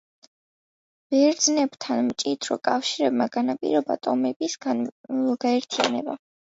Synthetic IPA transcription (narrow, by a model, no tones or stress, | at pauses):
b̥ɛɾd̪znɛbt̪ʰanmt͡ʃʼit̪ʰɾɔ̰kʼafʃiɾɛb̚maɡ̥anapʼḭɾɔba̰t̪ʼɔmɛbis | ɡ̥aɛɾt̪ʰia̰nɛ̰ba̰